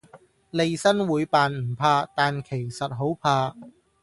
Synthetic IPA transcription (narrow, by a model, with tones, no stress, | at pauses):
le˨jsɐ˥nwuː˨˧˥jpaː˨nm̩˨˩pʰaː˧t̪aː˨nkʰe˨˩jsɐ˨t̚ɦo˨˥wpʰaː˧